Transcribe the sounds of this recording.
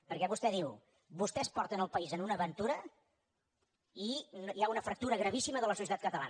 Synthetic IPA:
pəɾkɛβust̪ɛðiw | bust̪ɛspɔɾt̪ənəlˠpəizənunəːβənt̪uɾə | injaunəfɾək̚t̪uɾəɣɾəβ̞isiməðələsusiət̪at̪kət̪əla̰

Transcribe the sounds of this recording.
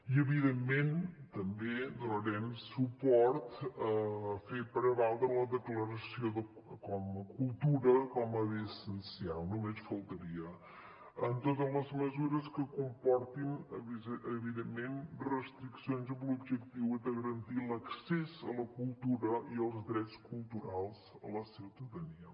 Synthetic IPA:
iəβiðemːent̪əmbed̪unəɾɛmsupɔɾt̪əfepəɾəβalˠd̪ɾələðəkləɾəsijoðə | kɔməkulˠt̪uɾəkɔməβisənsialˠnumesfəlˠt̪əɾiə | ənt̪ot̪əzləzməzuɾəskəkumpɔɾt̪in | əβiðemːenrəst̪ɾiksionzəblubʒəkt̪iwɛd̪əɣəɾənt̪iləksɛzələkulˠt̪uɾəiəlˠzd̪ɾɛt͡skulˠt̪uɾalˠzə̰ləsiwt̪əðəniə

